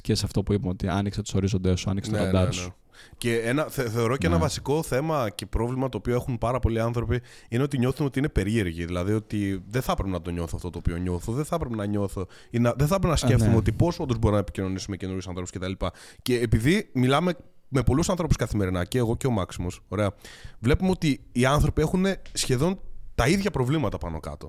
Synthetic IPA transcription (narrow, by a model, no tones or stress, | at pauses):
cesɐft̪o̞puipɐmot̪iɐ̰nikset̪u̥so̞ɾizo̞nd̪esuɐ̰nikst̪oɐd̪ɐne | ce̞enɐθeθe̞o̞ɾo̞ceenɐvɐsiko̞θe̞mɐce̞pɾo̞vlimɐt̪oːpioe̞xunpɐɾɐpo̞liɐnθɾo̞pi | ine̞o̞t̪̬iɲoθuno̞t̪iinepe̞ɾie̞ɾʝiðilɐðio̞t̪iðeθɐpɾe̞penɐt̪o̞ɲo̞θoɐft̪o̞t̪oːpio̞ɲo̞θoðeθɐpɾe̞penɐɲo̞θo̞ | inɐðeθɐpɾepenɐse̞fttumeo̞t̪ipo̞so̞nd̪o̞zbo̞ɾinɐepi̥cino̞nisumecenoisɐnθɾouscet̪ɐlipɐ | ce̞ːpiðimilɐme | me̞po̞lusɐnθɾo̞pu̥skɐθime̞ɾinɐceːɣo̞ceo̞mɐksimo̞so̞ɾe̞ɐvle̞pumeo̞t̪iːɐnθɾo̞pie̞xune̞sçe̞ðo̞nt̪ɐiðʝɐpɾo̞vlimɐt̪ɐpɐno̞kɐ̰t̪o̞